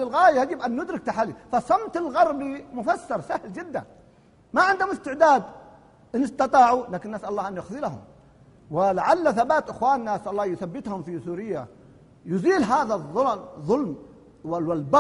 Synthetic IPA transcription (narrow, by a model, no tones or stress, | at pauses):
ɪlɣaːjajad͡ʒɪbʔanːʊd̪ɾɪk̚t̪aħalːifasˤɑmt̪ɪlɣɑɾˤbimʊfasːɑɾˤsahld͡ʒɪd̪ːa̰n | maʕɪnd̪hʊmɪst̪ɪʕd̪aːd̪ | ʔɪnɪst̪ɑt̪ˤɑːʕulaːkɪnʔasʔɑlɑlːˤɑːhʔanjʊxðˤɪlaɦʊ̰m | wɪlaʕalːaθabaːt̪ʔɪxwaːnːaʔasʔɑlˤːɑːhjʊθabːɪt̪hʊmfisuːɾɪjːa̰ | jʊziːlɦaːðaðˤːʊðˤːʊlm | wwɪlbɑ